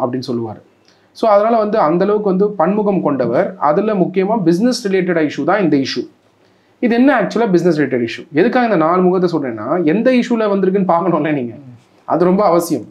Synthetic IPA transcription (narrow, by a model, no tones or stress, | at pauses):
ɐpːɐɽɪnːɯsɔlːɯʋa̰ːɾɯ | soːɐðɐnaːlɐʋɐnd̪ɯɐnd̪ɐlɐʋɯkːɯʋɐnd̪ɯpɐɳmʊɣɐmkɔɳɖɐʋɐɾɐ̰ðɯlmʊkːɪjɐmaːbɪsnɛsɾɪleːʈːɐɽɐɪʂut̪ãːɪnd̪ɐɪʂu | ɪðɯɛnːɐaːk̚t͡ʃʊɛlaːbɪsnɛs̬ɾɪleːʈ̬ːɐɽɪʂuɛðɯkːaːɣɐɪnd̪ɐnaːlmʊɣɐt̪̬ːɐsɔlːɾḛ̃ːnːa̰ːɛnd̪ɐɪʂulɐʋɐnd̪ɪɾɯk̬ːɯnːɯpaːɾkɐɳõːlːeːniːŋɡɐ | ʔɐ̰ðɯɾɔmbɐːʋɐsɪjɐm